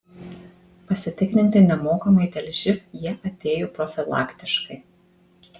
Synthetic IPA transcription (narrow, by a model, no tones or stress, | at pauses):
pɐsʲɪt̪ʲɪknʲɪnʲt̪ʲɪnʲɛmoːkɐmɐɪd̪ʲɛlʲʒʲɪfjiɛʔɐt̪ʲeːjopɾɔfʲɪlˠɑ̰ːkʲt̪ʲɪʃkɐɪ